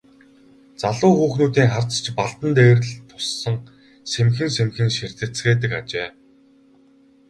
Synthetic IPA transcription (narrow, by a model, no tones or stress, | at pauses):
t͡saɮʊːxuːxnuːt̪iːŋχart͡st͡ɕpaɮt̪ə̆nt̪eːrɘ̆ɮt̪ʰʊsːə̆ŋ | semxɘ̆nsemxɘ̆nʃir̥t̪ɘ̆t͡sɡeːt̪̬ɘ̆ka̰t͡ɕeː